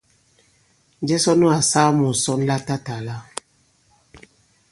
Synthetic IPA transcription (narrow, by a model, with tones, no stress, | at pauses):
n˦d͡ʒɛ˦sɔ˦nɔ̃˦a˨saː˦mɔ̃˨sɔ˦n˦la˦ta˦ta˨la˦